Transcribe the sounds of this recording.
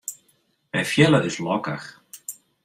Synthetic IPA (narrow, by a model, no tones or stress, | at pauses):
ɛnfjɛːlaðɪslɔkax